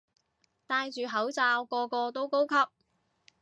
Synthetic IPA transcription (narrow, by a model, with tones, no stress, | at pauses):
t̪aː˧jt͡ʃyː˨ɦɐ˨˥wt͡saː˧wkɔː˧kɔː˧t̪o˥wko˥wkʰɐ˥p̚